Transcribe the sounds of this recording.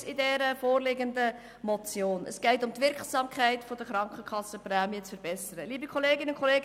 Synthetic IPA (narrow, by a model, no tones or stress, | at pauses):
ɪdɛɾəfoːrlɪɡəndə | mɔt͡sjoːnə̰sɡ̥ɛɪtʊmt̪ʋɪɾksɑːmkʰχæɪtfod̥əχɾɑŋkχəkχɑsəpræːmiət͡sfəɾb̥ɛsəɾəliːbəkʰχoleːɡɪnʊnkʰχɔleːɡ